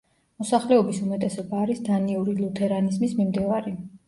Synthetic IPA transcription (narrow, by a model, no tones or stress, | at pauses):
mɔsaχlɛɔbisumɛt̪ʼɛsɔbaːɾisd̪aniuɾilut̪ʰɛɾanizmismimd̪ivaɾi